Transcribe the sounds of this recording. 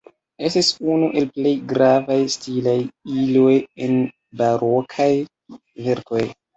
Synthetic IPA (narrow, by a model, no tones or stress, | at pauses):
e̞stisunuʔe̞lple̞jɡɾavajstilajilo̞jen | baɾʔo̞kʰaj | ve̞ɾko̞j